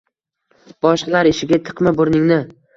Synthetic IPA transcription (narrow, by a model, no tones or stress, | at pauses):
b̥ɒʃqlˠaɾɪʃɪɡʲat̪ʰɨ̥qmaboɾnɪŋnɪ